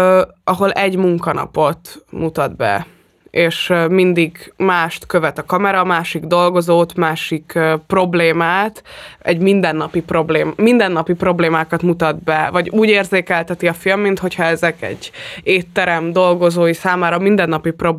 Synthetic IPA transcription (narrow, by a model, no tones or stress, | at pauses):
ɒɦo̞lɛɟmuŋkɒnɒ̰po̞t̪mut̪ɒd̪bɛ̰ | eːʃmind̪iɡmaːʃt̪køvɛt̪ɒkɒmɛɾɒːmaːʃiɡd̪o̞lɡo̞zoːt̪maːʃikːpro̞bleːmaːt̪ɛ̰ɟmind̪ɛnːɒpipro̞bleːmind̪ɛnːɒpipro̞bleːmaːkɒt̪mut̪ɒd̪bɛvɒɟuːɟeːrzeːkɛlt̪ɛt̪iɒfilmːint̪ho̞chɒɛzɛkɛ̰ɟːeːt̪ːɛɾɛmd̪o̞lɡo̞zoːjisaːmaːɾɒmind̪ɛnːɒpipro̞b